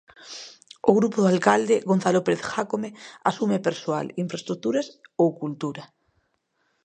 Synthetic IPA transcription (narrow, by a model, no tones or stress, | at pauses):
oɣɾupoðoalkald̪eɣon̟θalopeɾeθxakomeasumepeɾsoa̰liɱfɾest̪ɾuk̚t̪uɾasowkult̪uɾa